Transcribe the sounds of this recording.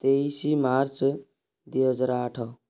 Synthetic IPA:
t̪eisimaɾt͡s | d̪iʌd͡zɾaʈʰʌ

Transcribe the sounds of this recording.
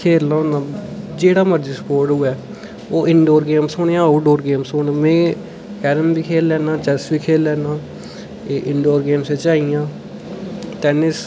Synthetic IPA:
kʰeːlnaːɦõːnãːd͡ʒeːɽaːməɾd͡ʒiːsə̥poːɾʈɦʊɛː | oːʔɪɳɖoːɾɡeːmsoːɳeãːoːɖoːɾɡeːmsoːnːmẽː | kɛːɾəmbiːkʰeːlːɛːnãːt͡ʃɛsʋiːkʰeːlːɛːnaː | ʔɪɳɖoːɾɡeːmseːt͡ʃaːijãː | t̪ɛːnɪs

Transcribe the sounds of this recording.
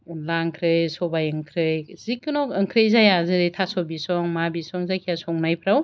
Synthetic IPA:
laŋkʰɾɯjsɔbajɯŋkʰɾɯjzikːɯnɔkɯŋkʰɾɯjzajazɯtʰasɔbisɔŋmabisɔŋzajkʰijasɔŋnajpʰɾaw

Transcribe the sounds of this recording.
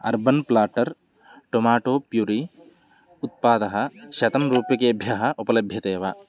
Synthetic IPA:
ɐ̰ɾbɐnplaːʈɐɾ | ʈomaːʈoːpjuːɾi | ut̪̚paːd̪ɐɦɐʃɐt̪ɐmɾuːpjɐkeːɐbʱjɐɦɐ̆ʔupɐlɐbʱjɐt̪eːʋaː

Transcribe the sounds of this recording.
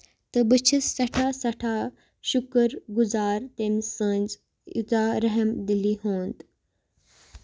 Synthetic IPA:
t̪ɐbət͡ʃʰəsːɐʈʰaːsɐʈʰa | ʃʊkəɾɡʊzaːɾt̪ensə̃nd͡z | ḭt̪aɾɐɦəmd̪iliɦõːnd̪

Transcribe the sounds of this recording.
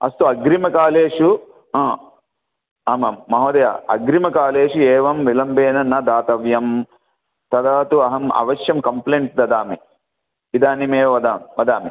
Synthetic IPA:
ɐ̰st̪uɐɡɾimɐkaːleːʂũ | ɐːmɐmːɐɦoːd̪ɐja̰ːɐ̰ɡɾimɐkaːleːʂuɛːʋɐmʋilɐmbeːnɐnɐd̪aːt̪ɐʋjɐm | t̪ɐd̪aːt̪uɐɦɐmɐ̰ʋɐʃjɐmkɐmpleːɳʈ̚d̪ɐd̪aːmi | id̪aːnimeːʋɐd̪aːmʋɐd̪aːmi

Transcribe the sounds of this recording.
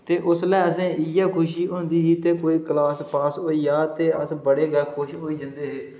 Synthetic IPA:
t̪eːʔʊslɛːəsẽːɪjaːkʰʊʃiːɦõːnd̪iːɦiːt̪eːkoːiːkəlaːspaːsɦoːiːjaːt̪eːəsbəɽeːɡəkʰʊʃɦoːiːd͡ʒə̃nd̪eːɦeː

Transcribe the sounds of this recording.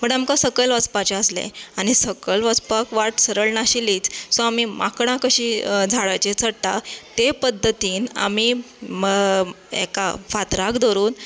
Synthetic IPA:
məɳamkasəkəlʋət͡spat͡ɕaəslḛaɽ̃isəkəlʋat͡spakʋaʈsəɾəɭnaɕiliːt͡ssɔamimakɳ̃ãkəɕiːd͡zʱaɭajt͡ɕet͡səɽt̪at̪epəd̪ʱːət̪iːna̰miː | ḛka̰fat̪ɾakd̪oɾuːn

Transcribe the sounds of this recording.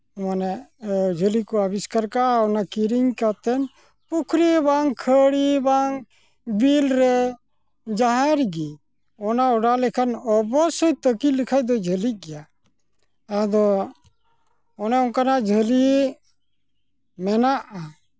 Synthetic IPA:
manɛd͡ʒʱəlikɔabiskaɾkaɔnakiɾiŋkat̪ɛn | pukʰɾibaŋkʰəɽibaŋ | bilɾɛ | d͡ʒaɦaɾɡi | ɔnaɔɖalɛkʰanɔbɔsəjt̪əkilikʰajd̪ɔd͡ʒʱəliɡɛja | ɛd̪ɔ | ɔnɛɔnkanad͡ʒʱəli | mɛnaʔa

